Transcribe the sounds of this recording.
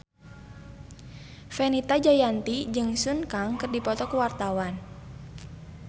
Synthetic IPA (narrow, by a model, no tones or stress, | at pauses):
fɛnit̪ad͡ʒajant̪id͡ʒɨŋsunkaŋkɨrdipɔt̪ɔkuwart̪awan